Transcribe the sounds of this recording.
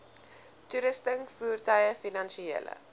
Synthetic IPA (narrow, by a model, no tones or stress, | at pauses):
tuɾəstəŋfuːrtɐjəfinɐnʃiḛːlə̰